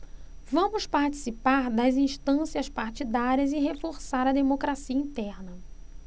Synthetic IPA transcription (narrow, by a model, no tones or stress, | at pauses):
vɐ̃mʊspaɾt͡ʃi̥sipaɾd̪ɐzĩʃt̪ɐ̃siɐspaɾt͡ʃid̪aɾiɐzɪɦefoɾsaɾɐd̪emokɾasiɐĩt̪ɛɾnɐ